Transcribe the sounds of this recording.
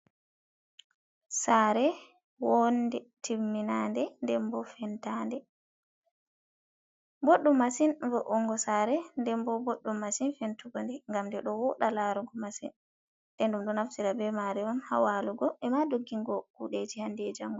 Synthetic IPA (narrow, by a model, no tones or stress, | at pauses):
saɾɛ | wɔndɛtʰimːinandɛndɛmbɔfɛntandɛ | boɗːumːasinvɔʔɔŋɡɔsaːɾɛndɛmbɔboɗːumːasinfentuɡɔndɛŋɡamdɛɗɔwɔɗalaɾuŋɡɔmasin | ɗɛnɗumɗɔnaftiɾabɛmaɾɛɔnha̰waluɡɔʔɛmadoɡːiŋɡɔkuɗed͡ʒihandeːd͡ʒaŋɡɔ